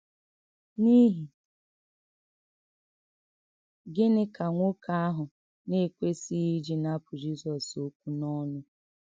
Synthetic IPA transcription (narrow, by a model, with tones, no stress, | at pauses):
ni˦ɦi˨ | ɡɪ˦nɪ˦ka˨ŋʷo˦kʰa˦a˦ɦʊ˨ | ne˦˨kʷe˦si˦i˦d͡ʒi˦na˦pʰʊ˨d͡ʒi˦sɔ˨so˦k̚ʷu˦nɔ˦nʊ˦